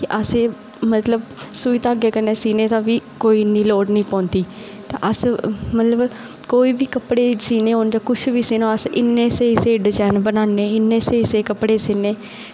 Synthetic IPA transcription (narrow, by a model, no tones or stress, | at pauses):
kɪʔəsẽː | mət̪ləbsuːit̪aːɡeːkəɾneːsiːneːt̪ãːʋiːkoːiːnːiːloːɖnĩːpɔ̃ːnt̪iː | t̪ã̰ːʔəsmət̪ləb | koːiːbiːkəpɽeːsiːneːond͡ʒakʊʃʰʋiːseːnõːəsɪnːeːseːɪseːɖɪzaːnbənaːnːeːɪnːeːseːɪseːkəpɽeːseːneː